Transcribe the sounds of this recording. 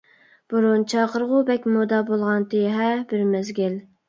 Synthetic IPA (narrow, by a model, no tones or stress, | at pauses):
b̥uɾunt͡ʃʰɑːqəɾʁʊbɛkʲmod̪ɑbolˠʁɑnt̪ʰeɦɛbɪɾmɛzɡʲɪl